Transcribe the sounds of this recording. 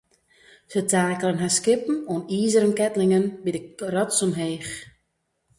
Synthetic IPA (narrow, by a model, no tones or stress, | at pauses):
sətʰaːkələnɦaskɪpm̩oniːzəɾənkɛtlɪŋənbidəkrɔtsɔmɦeːx